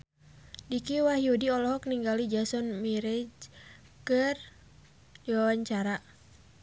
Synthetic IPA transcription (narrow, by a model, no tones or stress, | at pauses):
dikiwaɦiudiɔlɔɦɔk̚niŋɡalid͡ʒasɔnmiɾɛd͡ʒ | kɨr | iwawaɲt͡ʃaɾa